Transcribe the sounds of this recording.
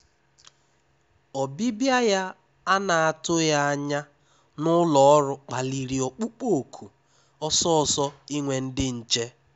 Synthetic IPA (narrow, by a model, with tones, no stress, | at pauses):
ɔ˨bi˦bja˦ja˦ | a˦na˨a˨tʊ˦ja˦a˦ɲa˦ | nʊ˦lɔ˨ɔ˦ɾʊ˦k͡pa˨li˨ɾi˨o˨k͡pu˦k͡po˦˨kʰu˨ | ɔ˦sɔ˦ɔ˨sɔ˦i˦ŋʷe˨n̩˦dɪ˦n̩˨t͡ʃe˦